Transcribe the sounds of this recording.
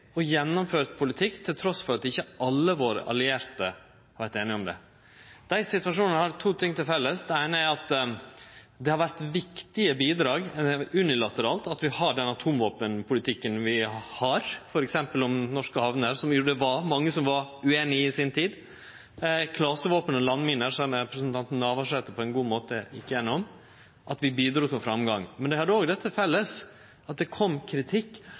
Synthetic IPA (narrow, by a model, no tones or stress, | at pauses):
ɔjɛnːɔmføːɾt̪pʰʊlɪt̪ʰɪkːt̪ʰɪlt̪ʰɾɔsfɔɾɑt̪ɪçːəʔɑlːəʋoːɾə̰ʔɑ̰lɪeːɾt̪ə | hɑɾʋæɾt̪eːnɪŋɔmd̪ɛ̰ | d̪̥æɪsɪt̪ʉʋɑʂuːnənəhɑɾt̪ʰuːt̪ʰɪŋːt̪ʰɪlfɛlːəsd̪ɛæɪnəæɾɑt̪ | d̪ɛhɑɾʋæɾt̪ʋɪkt̪ɪəbiːd̪ɾɑːɡʉnɪlɑt̪əɾɑːlt̪ɑt̪ʋɪhɑɖɛnɑt̪ʰuːmʋoːpənpʰʊlɪt̪ʰɪkːənʋɪhɑɾfɔɾɛksɛmpəlɔmnɔʂkəhɑʋnəɾsɔmjuːɖəʋɑɾmɑŋːəsɔmʋɑɾʉeːnɪɪsɪnt̪ʰiːd̪ | kʰlɑsəʋoːpənɔlɑnːmɪnəɾʂɛməɾɛpɾəsənt̪ʰɑnt̪n̩ːɑːʋɑʂeːt̪əpʰɔɛnɡuːmoːt̪əɪkːəjɛnːɔm | ʔɑt̪ʋɪbiːd̪ɾuːt̪ʰɪlfɾɑmɡɑŋmɛnd̪ɛhɑd̪ːəoːɡd̪ɛt̪ːəfɛlːəs | ɑt̪̚d̪ɛkʰɔmːkʰɾɪt̪ʰɪkː